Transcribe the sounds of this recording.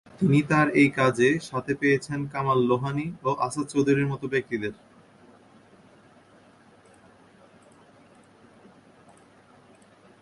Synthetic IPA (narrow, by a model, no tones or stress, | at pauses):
t̪init̪aɾejkad͡ʑeʃat̪ʰepejet͡ɕʰenkamalːoɦanioʔaʃad̪t͡ɕowd̪ʱuɾiɾmɔt̪obek̚t̪id̪eɾ